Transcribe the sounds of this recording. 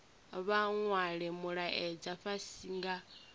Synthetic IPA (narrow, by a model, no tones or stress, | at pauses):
βaŋwaɺɛmuɺaʔɛd͡ʒaɸasiŋɡa